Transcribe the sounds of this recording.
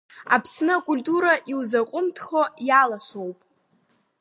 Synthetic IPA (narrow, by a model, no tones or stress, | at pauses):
apʰsnɨakʼʊlʲtʼuɾaʔiwzaqʷʼʊmtʰχojalaʃʷowpʼ